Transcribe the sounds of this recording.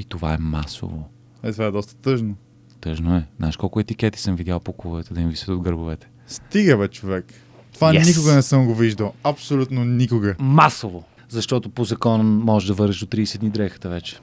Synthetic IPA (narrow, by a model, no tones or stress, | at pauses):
it̪ova̰ɛmaso̰vo | ɛt̪ovaɛd̪ɔst̪ə̥t̪ɤʒno | t̪ɤʒnoɛznaʃkɔlˠkʊɛt̪ikʲɛt̪i̥səmvid̪ʲjalˠpokulˠovɛt̪ɛd̪ɐivisə̥t̪od̪ɡɤɾbovɛt̪ɛ̥ | st̪iɡəvɛt͡ʃovɛk | t̪ovanikoɡənɛsəmɡoviʒd̪əlˠɐpsolʲut̪nonikoɡəmasovo | zɐʃt̪ɔt̪opozɐkɔnmɔʒɛd̪ɐvɤɾɛʃd̪ot̪ɾiːsɛd̪nid̪ɾɛxə̥t̪əvɛt͡ʃɛ̥